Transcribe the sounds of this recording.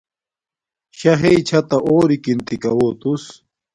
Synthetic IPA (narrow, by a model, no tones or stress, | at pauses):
ɕɐɦeit͡ɕʰɐt̪ɐʔoːɾikint̪ikɐwoːt̪us